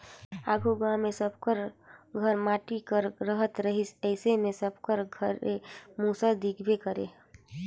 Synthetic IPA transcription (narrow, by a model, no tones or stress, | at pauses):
a̰ːɡʱuɡãmesəb̚ʱkəɾɡʱəɾmaːʈikəɾɾəɦət̪ɾəɦisəɪsemesəb̚ʱkəɾɡʱəɾemusad̪iɡʰbekəɾḛ